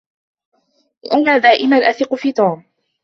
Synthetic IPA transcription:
ʔanaːd̪aːʔɪmanʔaθɪqʊfiːt̪uːm

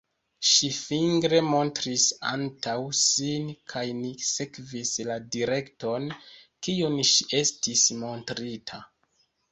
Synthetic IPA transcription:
ʃifiŋɡɾe̞mo̞ntɾisa̰ntawsinkʰajnise̞kvisladiɾe̞kto̞nkiunʃiʔe̞stismo̞ntɾitʰa

